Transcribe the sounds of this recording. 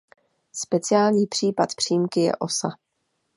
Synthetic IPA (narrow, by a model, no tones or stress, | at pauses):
spɛt͡sɪjaːlɲiːpr̝̥iːpat̪pr̝̥ijmkɪjɛ̰ʔo̞sa